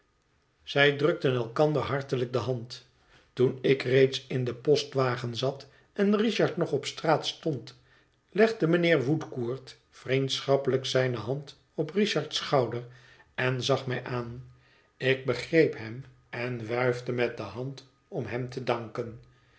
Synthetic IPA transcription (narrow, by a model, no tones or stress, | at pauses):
z̥ɛjdrɵk̚tənɛlˠkɑnd̪əɹɦɑɹtələk̚dəɦɑnt | tunɪkrejtsɪndəpɔstʋaːχənzɑt | ɛnriʃɑɹtnɔχɔpstraːtstɔnt | lɛχdəmənɪːɹʋutkuːɹt | frintsχɑpələksɛjnəɦɑnt | ɔpriʃɑɹtsχɑwdər | ɛnzɑχmɛjʔaːn | ɪɡ̚bəχrejpɦɛm | ɛnʋœɥvdəmɛdəɦɑnt | ɔmɦɛmtədɑŋkən